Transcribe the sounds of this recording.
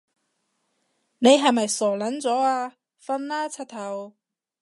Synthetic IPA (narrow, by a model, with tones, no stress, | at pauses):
ne˨˧jɦɐ˨jmɐ˨jsɔː˨˩lɐ˨˥nt͡sɔː˨˥aː˧ | fɐ˧nlaː˥t͡sʰɐ˧t̚t̪ʰɐ˨˩w